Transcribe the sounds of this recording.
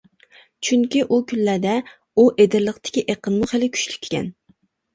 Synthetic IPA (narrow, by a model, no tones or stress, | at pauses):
t͡ʃʰyŋkʲiʔukʲynlæd̪ɛ | uʔed̪ɪɾlˠəqt̪ʰɪ̥kʲiʔeqənmuχelɪkʲʰy̥ʃly̥kʲʰːe̥kʲʰɛ̰n